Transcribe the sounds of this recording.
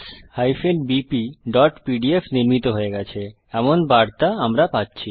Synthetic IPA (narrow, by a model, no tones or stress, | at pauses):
shajfenbipiɖɔʈpiɖiefniɾmit̪oɦoeɡɛt͡ɕʰe | ɛmonbaɾt̪aamɾapatːɕʰi